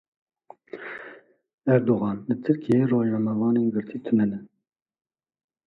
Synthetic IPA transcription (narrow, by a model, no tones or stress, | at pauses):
æɾd̪oɣɑːnlɨt̪ʰɨɾkijeːroːʒnɑmɛvɑːneːnɡɨɾt̪ʰiːt̪ʰɨnɛnɛ